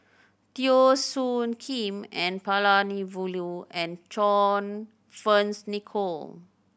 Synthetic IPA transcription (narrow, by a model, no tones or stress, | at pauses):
t̪iosũnkʰĩmɛ̃npalanivuluɛ̃nt͡ʃɔ̃n | fə̃nsnikʰol